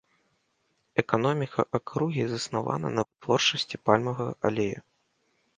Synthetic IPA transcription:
ɛkanɔmʲikʰɐʔakɾuɣʲizɐsnava̰nɐ̰nɐt̪vɔrt͡ʂʂɐsʲt͡sʲipalʲmɐɣɐʔalʲejɐ̰

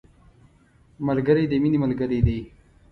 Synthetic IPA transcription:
məlɡəɾed̪eminiməlɡəɾed̪e

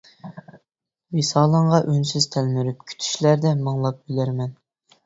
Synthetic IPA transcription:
wesɑːlˠəɴʁɑʔynsyz̥t̪ʰælmyɾyp̚kʲʰy̥t̪ʰy̥ʃlæɾd̪ɛmɑŋlˠɑp̚bylæɾmɛn

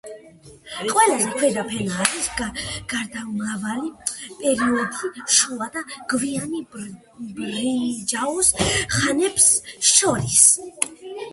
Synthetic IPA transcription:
qʼwɛlazɛkʰwɛd̪apʰɛɾiaɾisɡɡ̥aɾd̪amɾavalipʼɛɾiɔd̪iʃuad̪aɡ̥viani | bɾid͡ʒausχanɛbsʃɔɾis

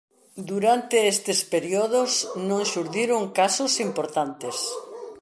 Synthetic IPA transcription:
d̪uɾant̪eest̪espeɾjoðosnõŋʃuɾðiɾoŋkasʊsimpoɾt̪ant̪es

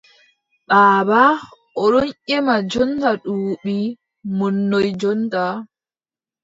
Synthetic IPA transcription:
ɓaːba | ʔɔɗɔnʔɛmad͡ʒɔntaɗuːɓi | munːɔjd͡ʒɔnta

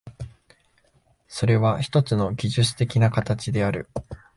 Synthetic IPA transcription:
so̞ɾe̞βaçi̥t̪o̞t͡sɨno̞ɡʲiʑɨt͡sɨ̥t̪e̞kʲinakat̪at͡ɕid̪e̞aɾɯ̟

